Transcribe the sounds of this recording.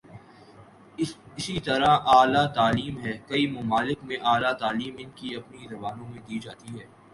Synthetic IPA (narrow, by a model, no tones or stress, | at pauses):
ɪsit̪ɐɾaʔaːlat̪aːliːmɦɛːkɐimʊmaːlɪkmẽʔaːlat̪aːliːmɪnkiɐpnizɐbaːnõmẽd̪iːd͡ʒaːt̪iɦɛː